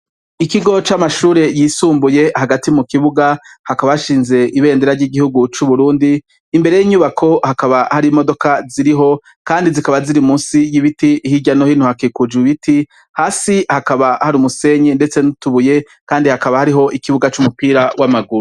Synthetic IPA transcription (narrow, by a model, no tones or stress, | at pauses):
ikiɡo̞t͡ʃamaʃuːɾe̞jiːsuːmbuje̞haɡatimukiβuɡahakaβaaʃiːnze̞ʔiβe̞ːndeɾaɾɟiːɡihuɡut͡ʃuβuɾuːndiː | mbe̞ɾejiɲuːβakʰo̞hakaβahaɾimo̞do̞kaziɾiɦo̞ | kaːndizikaβaziɾimuːnsijiβitiːhiɟano̞hinhuhakikud͡ʒwiβiti | haːsihakaβahaɾumuse̞ɲende̞t͡se̞nutuβuje̞ | kaːndihakaβahaɾiɦo̞ʔikiβuɡat͡ʃumupiːɾawamaɡuɾu